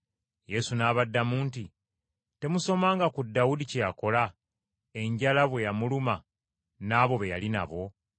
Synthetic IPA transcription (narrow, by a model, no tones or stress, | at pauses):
je̞sunaːβadːamuːnti | te̞muso̞maːŋɡakudːawudicejako̞la | e̞ɲɟalaβwe̞jamuluma | naːβo̞βejalina̰βo̞